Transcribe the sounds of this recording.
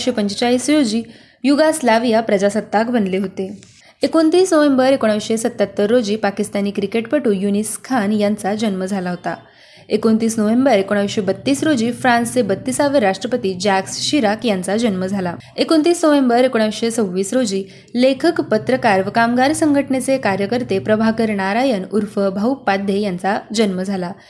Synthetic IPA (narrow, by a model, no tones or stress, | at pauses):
ɕepəɲt͡ɕt͡ɕaɦiːsɾod͡ʑiː | juɡaslaʋijapɾəd͡ʑasət̪ːakbənleɦot̪e | ekont̪iːsnoʋembəɾekoɽ̃aʋɕesət̪ːat̪ːəɾːod͡ʑiːpakist̪aniːkɾikeʈpəʈuːjuniskʰanjant͡sad͡ʑənməd͡zʱalaɦot̪a̰ | ekont̪iːsnəʋembəɾekoɽ̃aʋiɕebət̪ːiːsɾod͡ʑiːfɾãnsebət̪ːiːsaʋeɾaʂʈɾəpət̪iːd͡ʑaksɕiɾakjant͡sad͡ʑənməd͡zʱala | ekont̪iːsnəʋembəɾekoɽ̃aʋɕet͡səwʋiːsɾod͡ʑiː | lekʰəkpət̪ɾəkaɾʋkamɡaɾsəŋɡʱəʈɳet͡sekaɾjəkəɾt̪epɾəbʱakəɾɳaɾajənuɾfəbʱəwpad̪ʱjejant͡sad͡ʑənməd͡zʱala